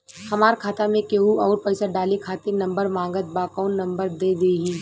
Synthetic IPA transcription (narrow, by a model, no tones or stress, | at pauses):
hɐmaːɾkʰaːt̪amẽkeːɦuɔːɾpəɪsaɖaːlekʰaːt̪enɐ̃mbəɾmãːŋɡət̪̚bakɔːnːɐ̃mbəɾd̪eːd̪eːɦĩː